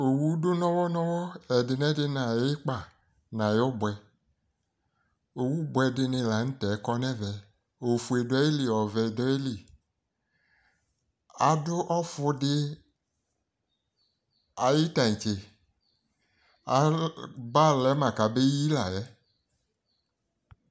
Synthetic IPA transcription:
o˨wu˦do˦nɔ̃˦wɔ˦nɔ̃˦wɔ˦ɛ˨dɪ˨nɛ˦dɪ˦nã˨jɪ˦k͡pa˨ | nã˨jɔ˦bwɛ˨ | o˨wu˦bʊ˦ɛ˧dɪ˧nɪ̃˧la˨n̩˦tɛ˨˦kɔ˦nɛ˦vɛ˨ | o˨fu˨e˨dɔ˦e˦li˨ɔ˨vɛ˨dɔ˦je˦li˨ | a˨dʊ˦ʔɔ˦fʊ˧dɪ˧ | a˨ji˦ta˨ĩ˨t͡ʃe˨ | a˨˦ba˦lɛ˨˦mã˨ka˨be˦ji˦la˨jɛ˦

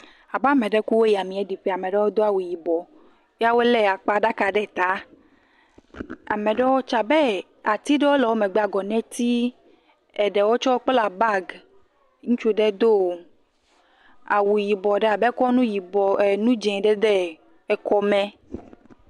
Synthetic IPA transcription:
a˨ba˦˨mɛ̃˨ɖɛ˦ku˦wo˦ja˨mĩ˨ɛ˦ɖi˨ɸɛ˦a˨me˨ɖɛ˦wo˦d̪o˦a˨wu˨ji˨bɔ˨ | ja˦wo˦lɛ˦a˨k͡pa˨ɖa˦ka˨ɖɛ˦t̪a˨˦ | a̰˨mẽ˨ɖɛ˦wo˦t͡ʃa˨bɛ˦ | a˨t̪i˦ɖɛ˦wo˦lɛ˨wo˦mɛ˨ɡ͡bɛ˦a˨ɡɔ˨nɛ̃˦t̪i˦ | ɛ˨ɖɛ˨wo˦t͡ʃɔ˦o˦k͡pla˨ba˦ɡ | ŋũ˦t͡ʃu˦ɖe˦d̪o˦˨ | a̰˨wu˨ji˨bɔ˨ɖɛ˦a˨bɛ˦kɔ˦nũ˦ji˨bɔ˨nũ˦d͡ʒɛ̃˨ɖɛ˦d̪ɛ˦ | ɛ˨kɔ˨mɛ̃˨

